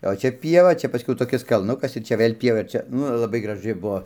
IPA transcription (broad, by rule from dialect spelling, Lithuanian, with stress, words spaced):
oː ˈt͡ʃʲɛ ˈpʲiɛʋɐ ˈt͡ʃʲɛ pɐˈsʲkʲɛʊ toːˈkʲɪs kɐlˠˈnʊkɐs ɪr ˈt͡ʃʲɛ ˈʋɘlʲ ˈpʲiɛʋɐ ɪr ˈt͡ʃʲɛ ˈnʊ ɪr lˠɐˈbɐɪ ɡrɐˈʒɨ ˈbuɔ